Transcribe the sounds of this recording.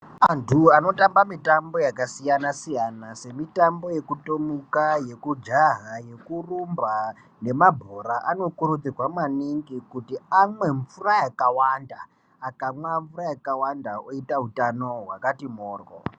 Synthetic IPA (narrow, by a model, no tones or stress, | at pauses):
antʰuano̞tambamitambo̞jakasijanasijanase̞mitambo̞je̞kutomukaje̞kud͡ʒaɦaje̞kurumba | ne̞mabʱoɾaʔano̞kuɾud͡zirwamaniŋɡikutiamwe̞ɱfurajakawanda̰ː | kamwavuɾajakawandaoitaɦutano̞ɦwakatimoːrwo̰